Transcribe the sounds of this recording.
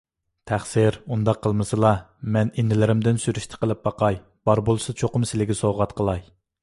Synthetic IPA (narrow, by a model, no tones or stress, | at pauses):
t̪ʰæχsɪɾund̪ɑqʰːəlˠmɨsɨlˠɑ | mɛnind̪ɪlɪɾɪmd̪ɪnsyɾyʃt̪ʰɪ̥qʰəlˠɪp̚bɑqʰɑj | b̥ɑɾbolˠɨsɨzt͡ʃʰoqʊmsɪlɪɡʲɪsoʁɑt̪qʰəlˠɑj